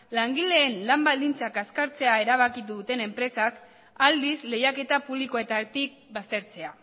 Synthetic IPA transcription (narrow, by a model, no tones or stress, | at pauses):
laŋɡile̞ːnlambald̪int͡sakaskaɾt͡se̞ae̞ɾaβ̞akit̪uðut̪e̞ne̞mpɾe̞sak | ald̪isle̞jake̞t̪apuβliko̞e̞t̪at̪ik̚bast̪e̞ɾt͡se̞a